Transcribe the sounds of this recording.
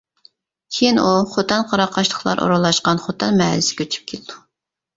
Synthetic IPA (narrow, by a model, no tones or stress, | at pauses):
kʲʰejinuχot̪ʰɑnqʰɑɾɑqʰːɑʃlˠəχlˠɑ̰ɾʔo̰ɾulˠːɑʃqɑnχot̪ʰɑnmɛlɪsɪ̥kʲʰøt͡ʃʰy̥p̚kʲʰelɪd̪u